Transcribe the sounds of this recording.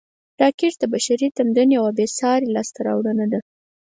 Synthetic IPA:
ʈɑkɪʈd̪əbaʃaɾit̪amd̪anjawabesɑɾelɑst̪aɾɑ̰wɽənad̪a

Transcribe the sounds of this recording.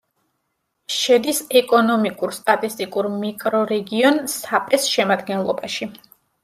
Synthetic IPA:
ʃɛd̪isɛkʼɔnɔmikʼuɾst̪ʼat̪ʼist̪ʼikʼuɾmikʼɾɔɾɛɡiɔnsapʼɾɛsʃɛmad̪ɡɛnlˠɔ̰baʃi

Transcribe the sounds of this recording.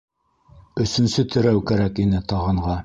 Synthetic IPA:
ɵ̆sɵ̆nsɵt̪ʰɘ̆ɾæwkæɾækinɘt̪ɑʁɤ̆ɴʁɑ

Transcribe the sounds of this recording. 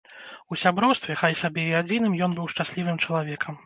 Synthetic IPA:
usʲabɾɔwst̪vʲɛxajsabʲɛiad͡zʲin̪ɨmjɔn̪bɨwʂt͡ʂasʲlʲivɨmt͡ʂɐlˠavʲɛkʰɐm

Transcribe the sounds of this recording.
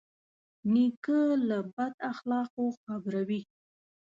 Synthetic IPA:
nikəlabad̪axlɑqoxabɾawi

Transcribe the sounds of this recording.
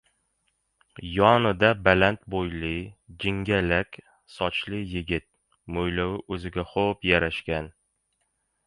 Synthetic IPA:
jɒnɪd̪abalant̪bojlɪd͡ʒɪŋɡʲalakʲ | sɒt͡ʃlɪjɪɡʲɪt̪̚ | mojlawɪʔɵzɪɡʲaχopjaɾaʃkʲan

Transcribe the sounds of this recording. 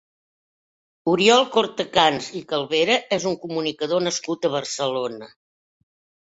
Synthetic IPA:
uɾiɔlˠkoɾt̪əkanzikəlˠβeɾəʔɛzuŋkumunikəðonəskut̪əβ̞ərsəlonə

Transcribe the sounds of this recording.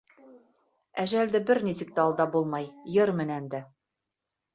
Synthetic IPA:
æʒæld̪ɘbɘɾnisɘ̆k̚t̪æɑlˠd̪ɑbulˠmɑjjɤɾmɘ̆nænd̪æ

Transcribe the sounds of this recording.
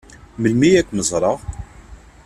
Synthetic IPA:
məlmijækʷːməzˤɾˤɑʁ

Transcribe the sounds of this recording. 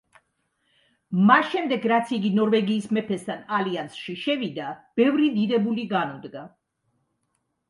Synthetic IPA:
masʃɛmd̪ɛɡɾat̪sʰiɡinɔɾvɛɡiːsmɛpʰɛst̪ʰanaliansʃiʃɛvid̪ab̥ɛvɾid̪id̪ɛbuliɡanɔd̪ɡa

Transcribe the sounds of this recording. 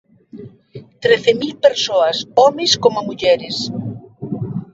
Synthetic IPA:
t̪ɾeθemilpeɾsoɐsɔmɪskomomuʎɛɾɪs

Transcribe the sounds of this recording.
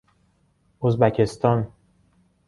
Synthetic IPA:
ozbæcʰest̪ʰɒn

